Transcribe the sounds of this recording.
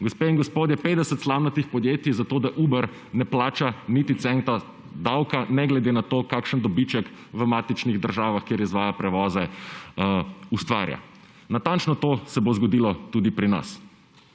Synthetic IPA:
ɡɔspeinŋɡɔspoːd̪jɛpeːd̪ɛsət̪slawnat̪ixpɔd̪jeːt̪izat̪oːd̪aʔuːbəɾ | nɛplaːt͡ʃanit̪it̪sɛnt̪a | d̪awkanɛɡlɛd̪eːnat̪oːkaːkʃənd̪ɔbit͡ʃəkʋəmaːt̪it͡ʃniɣd̪əɾʒaːʋaxkjeːɾizʋaːjapɾɛʋɔːzɛ | ust̪ʋa̰ːɾja̰ | nat̪ant͡ʃnɔt̪oːsɛbozɡɔd̪iːlɔt̪uːd̪ipɾina̰s

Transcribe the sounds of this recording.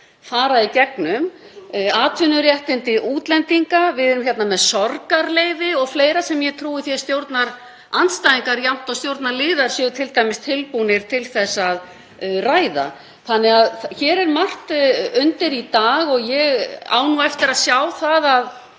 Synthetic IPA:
faːɾaicɛknʏm | aːt̪ʰvʏnːʏɾjɛht̪ɪnt̪ɪʔuːt̪lɛnt̪iŋkavɪðɛɾʏmçjɛt̪namɛðsɔɾkaɾleːjvɪɔɣfleːjɾasɛmjɛt̪ʰɾuːvɪθjɛst̪jowɾt̪naɾ̥ | ant̪st̪ajðiŋkaɾjam̥t̪awst̪jowɾt̪naɾlɪːðaɾ̥sjɛːɣʏt̪ʰɪlt̪ajmɪst̪ʰːɪlpunɪɾ̥t̪ʰɪlθɛsːað | raːjða̰ | θanːɛɣaðçɛːɾɛɾmar̥t̪ʏnt̪ɪɾit̪aːɣɔɣjɛɣa̰ːwnuɛft̪ɪɾaðsjaːwθaðað

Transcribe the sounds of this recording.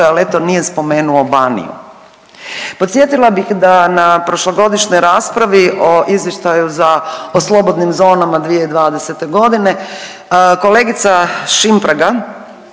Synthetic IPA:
ale̞t̪o̞nije̞spo̞me̞ːnuobanḭjṵ | pot̪sʲje̞t̪ilˠabixd̪anapɾo̞ʃloɡo̞d̪iʃno̞jɾaːspɾaʋiʔoʔizje̞ʃt̪ajuzaoslˠo̞bo̞d̪nimzo̞ːnamad̪ʋije̞id̪ʋaːd̪ese̞t̪e̞ɡo̞d̪ine̞ | ko̞le̞ːɡit̪saʃimpɾaɡa

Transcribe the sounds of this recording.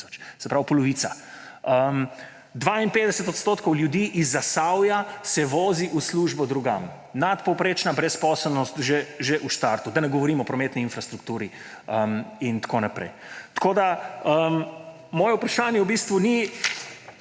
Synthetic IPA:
ɔ̥t͡ʃsɛpɾawpɔlɔʋiːt̪saəm | d̪ʋaːinpeːd̪ɛsɛt̪ɔt̪st̪oːt̪kɔwljud̪iːʔizːasawjasɛʋoːziʔusluːʒbɔd̪ɾuɡa̰m | nat̪pɔwpɾeːt͡ʃnabɾɛspɔsɛlnɔst̪ʒeʒeʔuʃt̪aɾt̪ud̪anɛɡɔʋɔɾiːmɔːpɾɔmet̪niinfɾast̪ɾukt̪uːɾi | əmint̪kʰonapɾɛ̰j | t̪koːd̪aəm | mɔːjɛwpɾaʃaːnjɛwbist̪ʋuni

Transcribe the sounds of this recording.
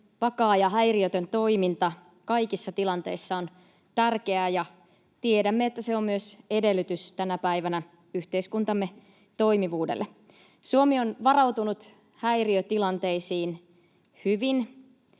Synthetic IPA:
ʋɑkɑːjɑɦæjriøt̪ønt̪o̞imint̪ɑ | kɑijkisːɑt̪ilɑnt̪e̞isːɑon | t̪ærk̟e̞æːjɑ | t̪iedæmːeet̪ːæse̞o̞mmyøse̞de̞lːyt̪yst̪ænæpæiʋænæ | yht̪e̞iskunt̪ɑmːe̞ | t̪o̞jmiʋuːdḛlːe | suomio̞nʋɑrɑwt̪unut̪ | hæjriøt̪ilɑnt̪e̞isiːn | hyʋin

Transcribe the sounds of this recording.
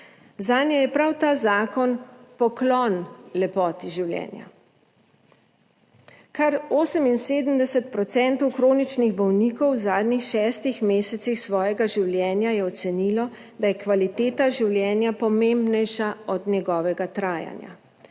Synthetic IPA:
zaːnjɛjɛpɾawt̪aːzaːkɔnpɔklɔnlɛpɔːt̪iʒiwljɛ̰ːnja̰ | kaɾoːsəminseːd̪əmd̪ɛsɛt̪pɾɔt̪sɛnt̪ɔwkɾoːnit͡ʃniɣbɔwniːkɔwzaːd̪nixʃɛːst̪ixmeːsɛt̪sixsʋɔːjɛɡaʒiwljɛːnjajɛɔt̪sɛniːlɔ | d̪ajɛkʋalit̪eːt̪aʒiwljɛːnjapɔmembnɛjʃaɔd̪njɛɡɔːʋɛɡat̪ɾaːja̰nja̰

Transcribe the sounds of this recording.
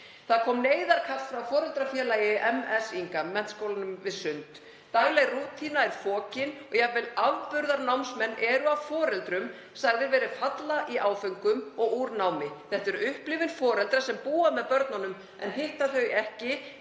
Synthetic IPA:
θaðkʰɔːmneːjðaɾ̥kʰaft̪fɾawfɔːɾɛlt̪ɾafjɛːlaːjɪʔɛmɛsiŋkamːɛn̥t̪skowlanʏmvɪðsʏnt̪ | t̪aɣlɛɣruːt̪ʰinaɛɾ̥fɔːcɪnɔɣjɛavɛlavpʏɾðaɾnawmsmɛnːʔɛɾʏawfɔːɾɛlt̪ɾʏm | saɣðɪɾvɛːɾɪfat̪laʔiʔaːwfʏŋkʏmɔɣuɾnaːwmɪθɛht̪ʏɾʏhplɪvɪnfɔːɾɛlt̪ɾasɛmpuːamɛðpœɾt̪nanʏm | ɛnɦeht̪aθœɥɛhcɪ

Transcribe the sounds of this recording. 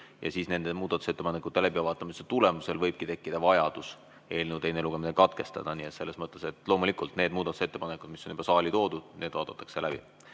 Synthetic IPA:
jɑ̰siːsne̞nd̪̥emuːd̪ɑt̪u̥set̪ːepɑnekːˑut̪ːe̞læbivɑːt̪ːˑɑmiset̪ule̞muse̞lvɤjb̥̚kit̪e̞kːid̪̥ɑvɑjɑd̪̥us | e̞ːlnewt̪e̞jneluɡ̥e̞minekɑt̪ke̞st̪ɑ̰d̪̥ɑniet̪se̞lːe̞smɤt̪ˑːe̞se̞t̪ːˑlo̞ːmulikˑult̪ne̞ːd̪muːd̪̥ɑt̪u̥se̞t̪ːe̞pɑnekːˑud̥̪misony̥bɑsɑːlʲit̪o̞ːd̪̥ud̪̥nʔe̞ːd̥̪vɑːd̪̥ɑt̪ːˑɑ̥kselʔæb̥ḭ

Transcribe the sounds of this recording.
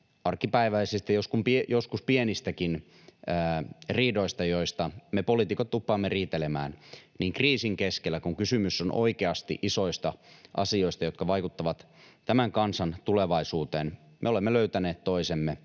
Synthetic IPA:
ɑrkːipæiʋæisist̪ejoskumpiejoskuspienist̪ækin | æːriːdoist̪ɑjoist̪ɑmepolit̪ikot̪t̪upːɑːmːeriːt̪elemæ̰ːnniːŋkriːsiŋkeskelːækuŋkysymysːonʔo̰ikeɑst̪ḭʔiso̞ist̪ɑʔɑ̰sio̞ist̪ɑjo̞t̪kɑʋɑikut̪ːɑʋɑt̪ | t̪æmæŋkɑnsɑnt̪uleʋɑisuːt̪eːn | mʔḛolemːeløyt̪æneːt̪t̪oisemːe

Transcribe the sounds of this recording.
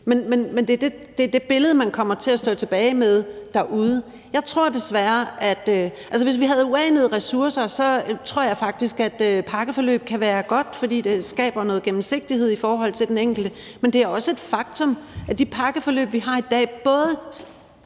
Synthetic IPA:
menmenmend̥e̝æɐd̥ed̥e̝d̥e̝b̥e̝ləð̞̩ˠmænkʰɒ̽m̰ɐt͡sʰe̝læsd̥ɔ̰ːt͡sʰe̝b̥ɛːɪmeð̞ˠd̥æʔuːð̞ˠə | jɑ̈ɪt͡sʰʁo̝ɐ̰d̥e̝sʋæɐʔæd̥øʔæls̬əʋe̝s̬ʋiɦæð̞̩ˠuɛːnəð̞ˠʁɛsuɐsɐsɒ̽t͡sʰʁo̝ɐ̰jɑ̈ɪfɑ̈ɡ̥̚d̥isɡ̥æd̥øpʰɑ̈ɡ̥əfɒ̽lø̰ːb̥̚kʰæʋæːɐɡ̥ɒ̽d̥fɒ̽d̥ḭːd̥e̝sɡ̥ɛ̰ːb̥ɐnɔ̽ːð̩ˠɡ̥emm̩se̝ɡ̥̚d̥ihe̝ð̞̰ˠifɒːɦɒ̽l̰t͡sʰe̝ld̥eneŋ̰ɡ̥l̩d̥ə | mend̥e̝æɐɒ̽səe̝d̥fɑ̈ɡ̥̚t͡sʰɔ̽mʔæd̥ipʰɑ̈ɡ̥əfɒ̽lø̰ːb̥ʋiɦɑ̈id̥ɛ̰ːb̥ɔ̽ːð̞ˠə

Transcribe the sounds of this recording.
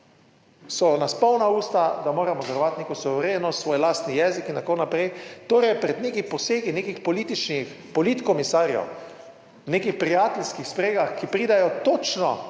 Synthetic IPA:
sɔnaspɔwnauːst̪ad̪amoːɾamɔzɛɾɔʋat̪nekosɔʋɛɾeːnɔsʋoːjlaːst̪nijɛːzikint̪akonapɾɛjt̪oːɾɛjpɾɛd̪nekipɔseːɡinekixpɔliːt̪it͡ʃnix | pɔlit̪kɔmisaːɾjɔ̰w | wneːkixpɾijaːt̪ɛlskixspɾeːɡaxkipɾiːd̪ajɔt̪ot͡ʃnɔ̰

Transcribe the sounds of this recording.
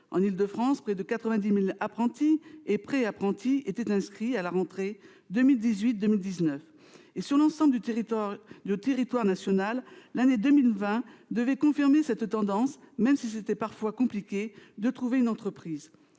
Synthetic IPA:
ɑ̰̃nild̪əfχɑ̃spχɛd̪əkat̪χəvɛ̃d̪imilapχɑ̃t̪iepχɛapχɑ̃t̪ʰiet̪ɛt̪ɛ̃skχialaʁɑ̃t̪χe | d̪əmild̪izɥit̪̚d̪əmild̪iznœf | esyʁlɑ̃sɑ̃bl | d̪yt̪eʁit̪waʁnasjɔnalːaned̪əmilvɛ̃d̪əvɛkɔ̃fiʁmesɛt̪ːɑ̃d̪ɑ̃s | mɛmsis̬et̪ɛpaʁfwakɔ̃plikʲed̪ət̪χuveynɑ̃t̪χəpχiːz

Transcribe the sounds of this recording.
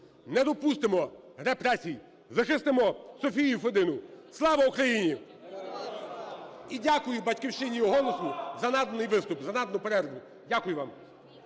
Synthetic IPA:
nɛd̪ɔpust̪ɪmɔɾɛpɾɛsʲij | zɐxɪst̪ɪmɔsɔfʲijufed̪ɪnʊslˠɑʋɐukɾɐjinʲi | idʲakʊjʊbɐtʲkɪwʃɪnʲiɔɦɔlˠɔsʊzɐnɑd̪nɪjʋɪst̪ʊpzɐnɑd̪nʊpeɾɛɾd̪ʊ | dʲakʊjʊʋam

